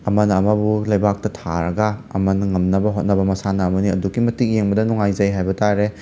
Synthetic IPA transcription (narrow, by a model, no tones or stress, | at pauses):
ɐmɐnɐːmɐbulɐjbak̚tɐtʰaɾɐɡɐ̰ːmɐnɐŋɐmnɐbɐɦot̚nɐbɐmɐsanɐːmɐniɐduɡimɐtik̚jeŋbɐdɐnɔŋajzɐjɦajbɐtaɾe